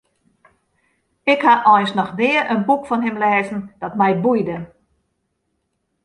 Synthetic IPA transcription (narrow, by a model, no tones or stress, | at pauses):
ɪkhaʔɔjnsnɔxdɪːərʔənbukfɔnɦɪmlɛːzən̩d̥ɔtmɛjbujdə